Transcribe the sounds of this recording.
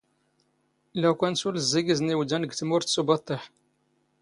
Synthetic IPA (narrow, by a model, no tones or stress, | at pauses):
lækʷænsuləzːiɡizniwd̪ænəɡt̪mʊɾt̪subɑt̪ˤːeħ